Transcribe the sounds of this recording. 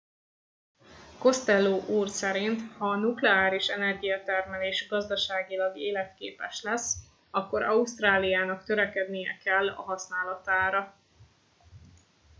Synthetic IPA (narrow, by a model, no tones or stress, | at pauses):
ko̞st̪ɛlːoːʔuːrsɛɾint̪hɒːnuklɛaːɾiʃɛnɛrɡijɒt̪ɛrmɛleːʃɡɒzd̪ɒʃaːɡilɒɡeːlɛt̪keːpɛʃlɛs | ɒkːo̞ɾɒust̪raːlijaːnɒkt̪øɾɛkɛd̪nijɛ̰kɛlːɒ̰ɦɒsn̪aːlɒt̪aːɾɒ